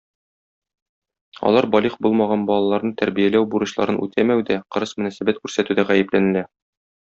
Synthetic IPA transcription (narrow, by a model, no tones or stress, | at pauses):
ɒ̰lˠɑɾbɒlʲiχbulˠmɑʁɑnbɒlˠɑlˠɑɾnɤt̪æɾbijælæwbuɾɤ̆ɕlˠɑ̰ɾɤnʔʉ̰t̪ʰæmæwd̪æqɤ̆ɾɤsmɵ̆næsæbæt̪̚kʉɾsæt̪ʉd̪æʁæjɘ̆plænɘ̆læ